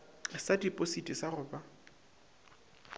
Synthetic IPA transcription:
sadipʼositʼisarʊːba

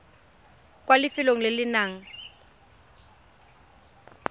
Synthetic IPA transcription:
k̬ʼwalɪfɪloŋ̩lɪlɪnaːŋ̩

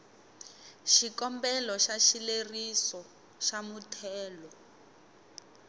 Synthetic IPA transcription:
ʃikɔmbɛlɔʃaʃilerisɔ | ʃamutʰɛːlɔ

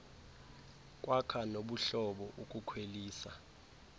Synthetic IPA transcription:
k̬ʼwʔakʰanoɓuɬɔɓɔʔukʼukʰweliːsa

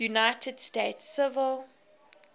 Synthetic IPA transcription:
unaɪtʰəd̥steɪtsɪvəlˠ

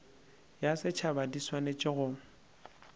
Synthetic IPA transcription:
jasɪt͡ʃʰabadiswanet͡ʃʼɪɣʊ

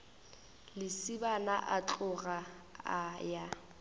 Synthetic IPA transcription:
lɪsibanaʔat͡ɬʼʊɣa | aja

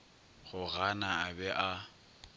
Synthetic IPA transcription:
ɣʊɣanaabɛʔa

